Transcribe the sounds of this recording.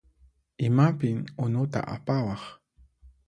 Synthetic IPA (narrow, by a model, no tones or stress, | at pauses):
ɪmapɪŋʊnʊt̪a̰ʔa̰pawɑχ